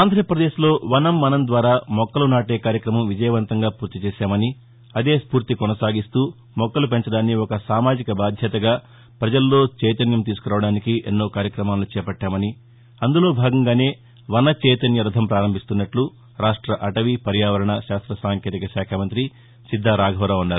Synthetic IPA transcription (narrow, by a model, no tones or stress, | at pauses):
aːnd̪ʱɾɐpɾɐd̪eːʃlo̞ːʋɐnɐmːɐnɐnd̪ʋaːɾaːmɔkːɐlunaːʈeːkaːɾjɐkɾɐmɐmʋid͡ʒɐjɐʋɐnt̪ɐŋɡaːpuːɾt̪it͡ʃɛːʃaːmɐni | ɐd̪e̞ːspuːɾt̪ikɔnɐsaːɡist̪uː | mɔkːɐlupeɲt͡ʃɐɽaːnːiɔkɐsaːmaːd͡ʒikɐbaːd̪ʱjɐt̪ɐɡaː | pɾɐd͡ʒɐllːo̞ːt͡ʃɛjt̪ɐnjɐmt̪iːsu̥kuɾaːʋɐɽaːnikiʔḛnːo̞ːkaːɾjɐkɾɐmaːlut͡ʃɛːpɐʈːaːmɐni | ɐnd̪ulo̞ːbʱaːɡɐŋɡaːne̞ː | ʋɐnɐt͡ʃɛjt̪ɐnjɐɾɐd̪ʱɐmpɾaːɾɐmbʱist̪unːɐʈlu | ɾaːʂʈɾɐʔɐʈɐʋipɐɾjaːʋɐɾɐɳɐʃaːst̪ɾɐsaːŋkjeːt̪ikɐʃaːkʰɐmɐnt̪ɾi | sid̪ʱːaːɾaːɡʱɐʋɾaːunːaːɾu